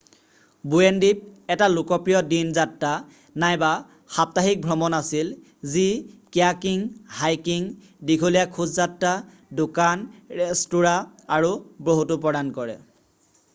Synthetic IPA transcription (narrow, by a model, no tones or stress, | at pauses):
buendip̚ɛtalʊkɔpɹijɔdinzatːa | najba | xap̚taɦik̚bʱɹɔmɔnasil | zikjakiŋhajkiŋ | dikʰulijakʰuzzatːa | dʊkanɹɛstuɹaaɹubɹoɦutupɹɔɾankɔɹɛ̰